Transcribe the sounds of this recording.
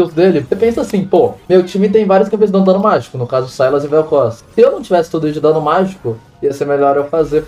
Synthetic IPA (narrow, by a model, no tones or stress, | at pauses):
esʊd̪elɪsepẽsɐasĩpomewt͡ʃĩmɪt̪̬ẽj̃vaɾjʊs̬kɐ̃pẽz̬d̪ɐ̃nd̪ɐ̃nʊmaʒi̥kʊnʊkazʊsajlɐzɪ̃vɛwkɔsɐ̥sɪewnɐ̃w̃t͡ʃivɛsɪ̥t̪od̪ʊisɪd̪ɐ̃nʊmaʒikʊ | iɐseɾmeʎɔɾɛwfaze